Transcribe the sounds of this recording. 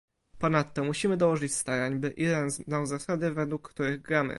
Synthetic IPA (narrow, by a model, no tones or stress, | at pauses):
pɔnat̪ːɔmuɕimɘd̪ɔwɔʐɘt͡ɕst̪aɾaɲbɘʔid̪ɛnzd̪awzasad̪ɘvɛd̪wukːt̪uɾɘɣɡɾamɘ̰